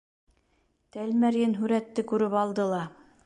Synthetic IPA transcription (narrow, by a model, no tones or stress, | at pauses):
t̪ælmæɾjɘnɦʉɾæt̪ːɘkʉɾɘpɑlˠd̪ɤlˠɑ